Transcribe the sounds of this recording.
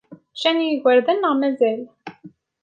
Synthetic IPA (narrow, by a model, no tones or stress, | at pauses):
ʃænjəɣəɾðənəʁmæzæl